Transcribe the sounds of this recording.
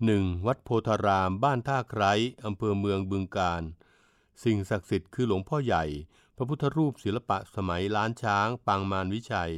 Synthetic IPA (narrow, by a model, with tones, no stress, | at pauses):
nɯ˨˩ŋwa˦˥t̪̚pʰoː˧t̪ʰaː˧ɾaː˧mbaː˥˩nt̪ʰaː˥˩kʰɾa˦˥jʔa˧mpʰɤː˧mɯ˧əŋbɯ˧ŋkaː˧n | si˨˩ŋsa˨˩k̚si˨˩t̪̚kʰɯː˧lo˩˦ŋpʰɔː˥˩ja˨˩j | pʰɾa˦˥pʰu˥t̪ʰːa˧ɾuː˥˩p̚si˩˦nla˧pa˨˩ʔsa˧ma˩˦jɾaː˦˥nt͡ɕʰaː˦˥ŋpaː˧ŋmaː˧nwi˦˥t͡ɕʰa˧j